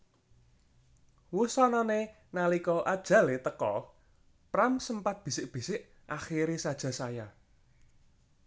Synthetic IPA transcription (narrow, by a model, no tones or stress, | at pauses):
wusɔnɔne | nalikɔʔad̥ʒ̥ä̤let̪əkɔ | pɾamsəmpat̪̚b̥i̤sɪʔb̥i̤sɪʔ | ʔaxiɾesad̥ʒ̥a̤saja